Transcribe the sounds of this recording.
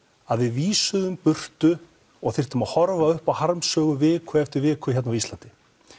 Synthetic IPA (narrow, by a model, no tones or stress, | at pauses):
aðvɪðviːsʏðʏmpʏr̥t̪ʏ | ɔɣθɪr̥t̪ʏmahɔɾvaʏhpawhaɾmsœːɣʏvɪːkʰʏɛft̪ʏɾvɪːkʏçɛt̪navist̪lant̪ɪ